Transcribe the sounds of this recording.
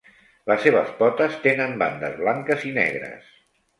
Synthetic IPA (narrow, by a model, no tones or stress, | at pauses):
ləsːeβ̞əspɔt̪əst̪enəmba̰nd̪əzβlaŋkəzinɛ̰ɣɾə̰s